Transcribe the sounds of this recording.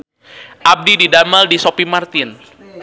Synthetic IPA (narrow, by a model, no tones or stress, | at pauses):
ʔab̚dididamaldisopimart̪ɪn